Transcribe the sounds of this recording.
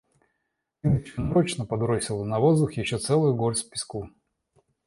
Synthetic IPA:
inət͡ɕənɐɾot͡ɕnəpɐd̪ɾosʲɪlˠənɐvozd̪ʊxjɪɕːot̪sɛlˠʊjʊɡoɾʲsʲpʲɪ̥sku

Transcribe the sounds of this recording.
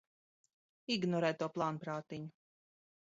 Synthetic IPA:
iɡnɔɾɛːjt̪uɔplˠaːnpɾaːt̪iɲu

